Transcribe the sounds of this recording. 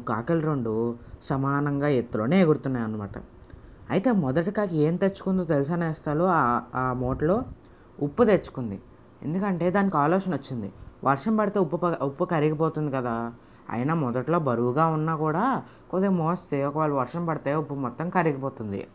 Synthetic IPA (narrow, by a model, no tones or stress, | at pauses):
ɡaːkɐlɾoɳɖusɐmaːnɐŋɡaːet̪ːulo̞ːneːɡuɽut̪unːaːjɐnːɐmaːʈɐ̰ | ɐjit̪e̞ːmɔd̪ɐʈikaːkɐe̞ːnt̪et͡ʃːu̥kund̪oːt̪elus̬aːnɛːst̪aːloːaaːmoːʈɐlo̞ː | upːut̪et͡ʃːu̥kund̪i | e̞̰nd̪ukɐɳʈe̞ːd̪aːnːikaːloːʂɐnot͡ʃːind̪ḭʋʔɐɾʂɐmpɐɽit̪e̞ːupːupupːukɐɾiɡipoːt̪und̪ikɐd̪aː | ɐ̰jɐnɐmɔd̪ɐʈlo̞ːbɐɾuːɡaːunːaːkuːɽaː | kod̪emoːst̪eːɔkɐʋaːɭːuʋɐɾʂɐmpɐɽit̪eːupːumɔt̪ːɐmkɐɾiɡipoːt̪und̪ḭ